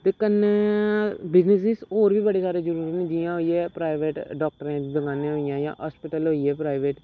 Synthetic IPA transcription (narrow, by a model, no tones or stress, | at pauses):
t̪eːkənːe | bɪznɪs̬nisɦoːɾbʱiːbəɽeːsaːɾeːd͡ʒəɾuːɾət̪nẽːd͡ʒijãɦoːiɛːpɾaːɪʋeːʈɖɔːk̚ʈəɾẽːd̪əɡãːnẽɦoːijãːjã̰ːɦɔːspɪʈəlɦoːiɛːpɾaːɪʋeːʈ